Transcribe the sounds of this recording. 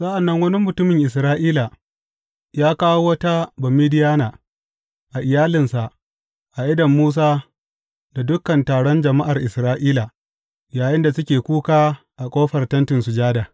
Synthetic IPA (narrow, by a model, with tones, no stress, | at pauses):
sɐ˦ʔa˨nːɐ˦ŋwɐ˦ni˦mʊ˨tʊ˦mɪ˨ŋʔɪ˨s̬ɾaː˦ʔiː˦la˨ | jaː˦kaː˦wo˦wɐ˦ta˦bɐ˨miː˦dɪ˦jaː˦naː˨ | ʔa˨ʔɪ˨jaː˦lɪ˨nsa˨ʔ | ʔa˨ʔɪ˦dɐ˨mːuː˦s̬aː˦ | da˨dʊ˦kɐ˨ntaː˨ɽɔ˦nd͡ʒɐ˨ma˦ʔa˨rʔɪ˨sɾaː˦ʔiː˦la˨ | jaː˨jɪ˦nda˨sʊ˦kʲeː˨kʷuː˦kaː˦ | ʔa˨kʷʼoː˦ɸɐ˨rtɐ˦ntɪ˨nsʊ˨d͡ʒaː˦daː˨